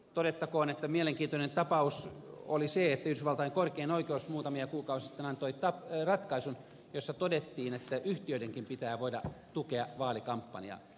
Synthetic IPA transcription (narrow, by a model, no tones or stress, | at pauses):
t̪oɾet̪ːɑkoːnet̪ːæmieleŋkiːnt̪onent̪ɑpɑuso̰liseet̪ːæyhdysʋɑlt̪ɑiŋkorkeinoikeousmuːt̪ɑmiɑkuːkɑusisit̪ːenɑnt̪oit̪ɑprɑt̪kɑisun | josːɑt̪odet̪ːiːnet̪ːæʔyht̪iøideŋkimpit̪æːʋoidɑt̪ukeɑʋɑːlikɑmpːɑ̰nḭɑ̰